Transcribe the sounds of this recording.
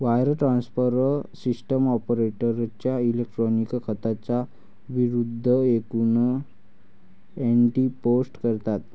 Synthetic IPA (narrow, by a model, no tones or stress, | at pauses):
ʋajɾʈɾansfəɾsisʈəmɔpəɾeʈəɾt͡ɕjailek̚ʈɾɔnikkʰət̪at͡sa | ʋiɾud̪ʱːəekunə | eɳʈiposʈkəɾt̪at̪